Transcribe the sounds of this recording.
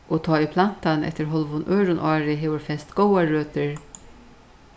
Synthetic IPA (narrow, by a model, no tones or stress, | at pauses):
ʔoːt̪ʰɑːipʰlan̥t̪anʔɛ̰ht̪əɾɦɔlʋʊnʔœːɾʊnʔɑːɹɪɦeːʋʊɾfɛst̪ɡɔwaːøːt̪əɹ